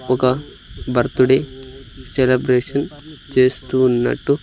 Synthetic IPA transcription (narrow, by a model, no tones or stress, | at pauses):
ɔkɐ | bɐɾt̪uɽeselebɾeːʂɐnd͡ʒeːst̪unːɐ̰ʈːu